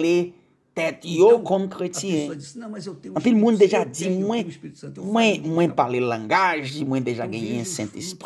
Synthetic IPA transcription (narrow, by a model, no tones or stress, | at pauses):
le | t̪ɛt̪jokɔmkʁetjɛ̃ | ɐ̃pilmũnd̪eʒad͡zimwɛ̃mwɛ̃mwɛ̃palelãɡaʒimw̃ɛ̃d̪eʒaɡɛ̃jɛ̃sɛ̃t̪esp